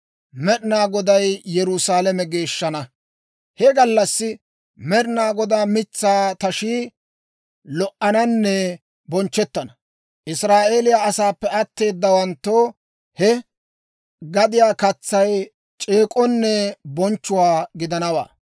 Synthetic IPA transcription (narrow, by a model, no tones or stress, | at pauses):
mɛɗnaːɡɔd̪ɐjjɛɾʊsaːlɐmɛɡe̞ːʃːɐnɐ | hɛɡɐlːɐsːɪ | mɛɾnaːɡɔd̪aːmɪt͡sːaːt̪ɐʃiː | lɔʔɐnɐnːɛ | bɔnt͡ʃːɛt̪ːɐnɐ | ʔɪsɾaːʔeːlɪjaːɐsaːpːɛʔɐt̪ːe̞ːd̪ːɐwɐnt̪ːoː | hɛ | ɡɐd̪ɪjaːkɐt͡sːɐj | t͡ʃʼeːkʼɔnːɛbɔnt͡ʃːʊwaːɡɪd̪ɐnɐwa̰ː